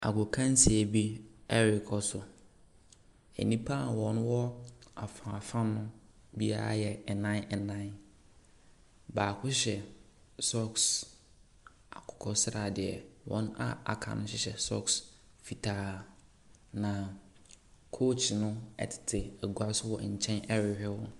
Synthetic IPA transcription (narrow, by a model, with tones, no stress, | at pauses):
a̰˨ɡʊ˨kʰã˦n̩˦si˨æ˨bi˦ɛ˦ɾɪ˨kʰɔ˨sʊ˨ | ɛ̰˨nĩ˦pʰa˦˨wɔ̃˨n˦wɔ˦a˨fã˨fã˦nʊ̃˦ | bi˦a̰˦ɾa̰˦jɛ˨ɛ˨nã˦nɛ˨nã˦ | baː˨kʰʊ˦ɕɛ˨ | sɔ˦ks | a˨kʰʊ̥˨kʰɔ˨sɾa˨dɪ˨ɛ˨wɔ̰̃˨˦n˦a̰˦a̰˨kʰã̰˨nʊ̃˦ɕɪ˨ɕɛ̰˨sɔ̰˦ks | fi˨tʰaː˨˦ | nã˨ | kʰo˦t͡ʃnʊ̃˦ɛ̰˨tʰɪ̥˨tʰɪ˨ɛ˨ɡu˨a˦sʊ˦wɔ˨ɲ̩˨t͡ɕʰɛ̃˦nɛ˦ɾɪ˨hᶣɛ˦wɔ˦